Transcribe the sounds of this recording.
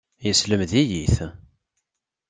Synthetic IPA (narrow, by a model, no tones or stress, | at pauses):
jəsləmðijiθ